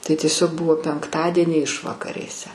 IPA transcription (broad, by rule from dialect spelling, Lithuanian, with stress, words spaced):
tɐɪ tʲiɛˈsʲoːk ˈbʊʋoː pʲɛŋkˈtɑːdʲiɛnʲiː ˈɪʃʋɐkɐrʲeːsʲɛ